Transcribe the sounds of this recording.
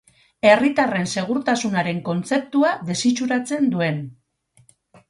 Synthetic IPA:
e̞rit̪are̞nse̞ɣ̞uɾt̪asunaɾe̞ŋko̞nt͡se̞p̚t̪uaðe̞sit͡ʃuɾat͡se̞nd̪ue̞n

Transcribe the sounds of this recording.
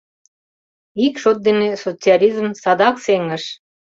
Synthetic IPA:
ikʃot̪̚d̪enesot͡siɑlʲizmsɑd̪ɑkseŋə̆ʃ

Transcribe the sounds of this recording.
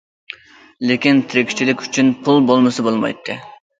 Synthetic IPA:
lekʲint̪ʰɪɾɪkʲi̥t͡ʃʰilɪkʲyt͡ʃʰynpʰulˠbolˠmɨsɨbolˠmɑ̰jt̪ʰːɨ

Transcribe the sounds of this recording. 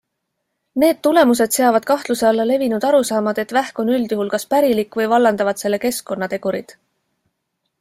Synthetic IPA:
ne̞ːd̪̚t̪ːule̞mus̬e̞d̪̥se̞ɑvɑd̪̥̚kɑht̪luseɑlːɑle̞vinud̪̥ɑɾusɑːmɑd̪̥e̞t̪væhko̞nyld̪̥juɦulkɑspæɾilikːvɤjvɑlːɑnd̪ɑvɑd̪̥se̞lːe̞ke̞skːo̞nːɑt̪e̞ɡ̥uɾid̪̥

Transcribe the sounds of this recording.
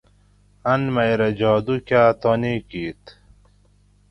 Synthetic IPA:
ɐnmajɾɐd͡ʑaːd̪ukaːt̪ɔnikiːt̪

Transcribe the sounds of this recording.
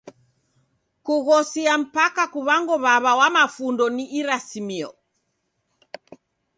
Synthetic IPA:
kuɣɔsiam̩pakakuβaŋɡɔβaβawamafundɔniʔiɾasimiɔ

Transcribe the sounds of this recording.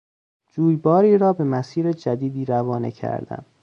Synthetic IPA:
d͡ʒuːjbɒːɾiːɾɒːbe̞mæsiːɾed͡ʒæd̪iːd̪iːɾævɒːnḛcʰæ̰ɾd̪̥æ̰m

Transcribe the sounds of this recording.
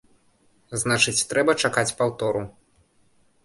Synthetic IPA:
znat͡ʂɨt͡sʲt̪ɾɛbɐt͡ʂakat͡sʲpawt̪ɔɾu

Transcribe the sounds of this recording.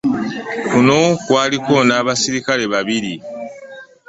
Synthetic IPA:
kuno̞kwaːliko̞naːβasiɾikale̞βaβiɾi

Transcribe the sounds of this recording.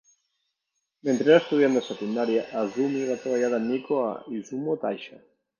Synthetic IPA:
ment̪ɾeast̪uðiand̪esat̪ind̪aɾjaʔazumieɾatkaβaʎaðanikoa̰izumot̪ajʃa

